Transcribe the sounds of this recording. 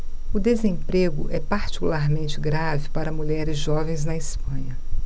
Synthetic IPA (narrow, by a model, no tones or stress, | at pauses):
ʊd̪ezẽpɾeɡʊʔɛpaɾt͡ʃi̥kulaɾmẽnt͡ʃɪɡɾavɪpaɾɐmuʎɛɾɪzʒɔvẽj̃znɐɪspɐ̃ɲɐ